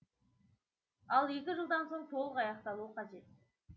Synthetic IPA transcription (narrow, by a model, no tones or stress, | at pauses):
ɑlˠje̞kʲɪʒəlˠd̪ɑnso̞ɴt̪ʰo̞lˠəqɑjɑqt̪ɑlˠuəqʰɑʒe̞t̪̚